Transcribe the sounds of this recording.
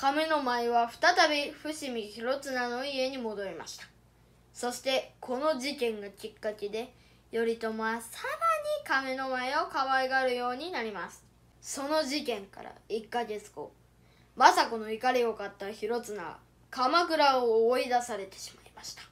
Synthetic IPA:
kameno̞maeβaɸɯ̟̥t̪at̪abʲiɸɯ̟ɕimʲiçiɾo̞t͡sɨnano̞ie̞ɲ̟imo̞d̪o̞ɾʲima̰ɕi̥t̪ḁ | so̞ɕi̥t̪e̞kʰo̞no̞ʑikẽ̞ŋɡakʲikːakid̪e̞ | jo̞ɾʲit̪o̞masamaɲ̟ikamenomaeo̞kaβaeɡaɾɯ̟jo̞ːɲ̟inaɾʲimasɨ̥ | so̞no̞ʑikẽ̞ŋka̰ɾa̰ikːaɡe̞t͡sɨ̥ko̰ | masako̞no̞ikaɾʲio̞kat̪ːaçiɾo̞t͡sɨna̰ | kamakɯ̟ɾaoːid̪asaɾe̞t̪e̥ɕi̥maimaɕi̥t̪ḁ

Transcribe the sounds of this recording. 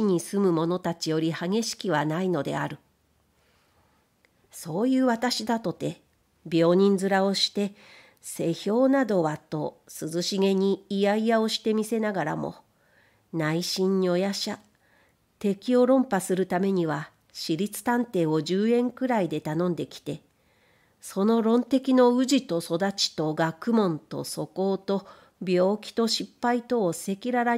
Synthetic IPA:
iɲ̟isɨmɯ̟mo̞no̞t̪at͡ɕijo̞ɾʲihaɡe̞ɕi̥kʲiβ̞anaino̞d̪e̞̰aɾɯ̟ | so̞ːjɯ̟ːβat̪aɕid̪at̪o̞t̪e̞ | bʲo̞ːɲ̟ĩnd͡zɨɾao̞ɕi̥t̪e̞ | se̞çʲo̞ːnad̪o̞βat̪o̞sɨzɨɕiɡe̞ɲ̟iːjaijao̞ɕi̥t̪e̞mʲise̞naɡaɾa̰mo̞̰ | naiɕĩɲ̟ːio̞jaɕa | t̪e̞kʲio̞ɾõ̞mpasɨɾɯ̟t̪ame̞ɲ̟iβa | ɕiɾʲit͡sɨ̥t̪ãnt̪e̞ːo̞ʑɨːẽ̞ŋkɯ̟ɾaid̪e̞t̪anõ̞nd̪e̞kʲi̥t̪e̞ | so̞no̞ɾõ̞nt̪e̞kʲino̞ɯ̟ʑit̪o̞so̞d̪at͡ɕi̥t̪o̞ɡakɯ̟mõ̞nt̪o̞̰so̞ko̞ːt̪o̞ | bʲo̞ːkʲi̥t̪o̞ɕipːait̪o̞ːse̞kʲiɾaɾa

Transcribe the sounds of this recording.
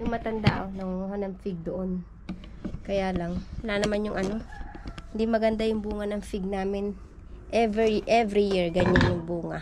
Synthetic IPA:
ʊŋmɐt̪ɐnd̪a̰ʔonɐŋuŋuɦanɐŋfɪɡ̚d̪oʔon | kɐjalɐŋwɐlanɐmanjʊŋʔɐno̞hɪnd̪imɐɡɐnd̪ajʊŋbuːŋɐnɐŋfɪɡ̚naːmɪn | ʔɛvɛʔɛvɾijiɹɡɐɲanjʊŋbuːŋa̰

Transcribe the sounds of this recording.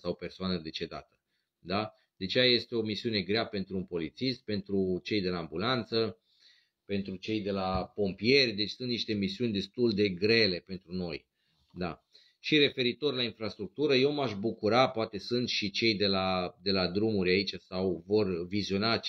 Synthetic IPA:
sawpe̞rsoanəd̪e̞t͡ʃe̞d̪a̰t̪ə̥ | d̪a | d̪̥at͡ʃejaje̞st̪e̞o̞misiune̞ɡɾeape̞nt̪ɾuːnpo̞lit̪sist̪̚pe̞nt̪ɾut͡ʃe̞jd̪e̞laːmbulant̪sə | pe̞nt̪ɾut͡ʃe̞jd̪e̞lapo̞mpije̞rʲd̪e̞t͡ʃʲsunt̪niʃt̪e̞misiunʲd̪e̞st̪uld̪e̞ɡɾe̞le̞pe̞nt̪ɾuno̞j | d̪a | ʃire̞fe̞ɾit̪o̞rʲlainfɾast̪ɾuk̚t̪uɾəje̞wmaʃbukuɾapoat̪e̞sunt̪ʃit͡ʃe̞jd̪e̞lad̪e̞lad̪ɾumuɾʲait͡ʃasawvo̞rvizio̞na

